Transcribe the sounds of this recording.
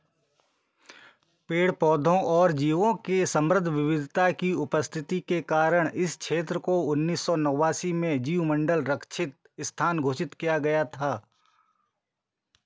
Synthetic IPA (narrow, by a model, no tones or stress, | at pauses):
peːɽpɔːd̪ʱõʔɔːɾd͡ʒiːʋõkesə̃mɾəd̪ʱʋɪʋɪd̪ʱt̪akiʊpəst̪ʰɪt̪ikekaːɾəɽ̃ʔɪskʃʰeːt̪ɾəkoʊnːiːsːɔnəwaːsimẽd͡ʒiːwmə̃ɳɖəlɾəkʰʃʰɪt̪̚ | ɪst̪ʰaːnɡʱoːʃɪt̪kijaɡɐjat̪ʰaː